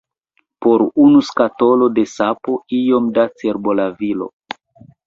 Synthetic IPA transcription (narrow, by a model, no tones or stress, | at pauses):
po̞ɾunuskato̞lo̞de̞sapo̞ijo̞mdat͡seɾbolavilo̰